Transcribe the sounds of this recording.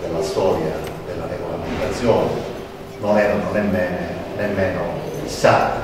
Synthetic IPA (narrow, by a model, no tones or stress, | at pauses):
d̪elːast̪ɔːɾjad̪elːareɡolament̪at̪sːjɔːne | nonɛːɾanonemːɛːnenemːɛːnofist̪aːt̪i